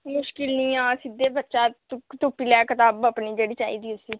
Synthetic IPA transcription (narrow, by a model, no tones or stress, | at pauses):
mʊʃkɪlnĩːãːsɪd̪ːeːbətːʃaːkt̪ʊpiːlɛːkɪt̪aːbəpniːd͡ʒeːɽiːt͡ʃaːḭːd̪iːʊsiː